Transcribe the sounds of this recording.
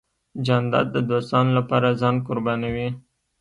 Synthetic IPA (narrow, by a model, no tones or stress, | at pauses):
d͡ʒɑnd̪ɑ̰d̪ːəd̪ost̪ɑnolapɑɾazɑnkʊɾbɑnawi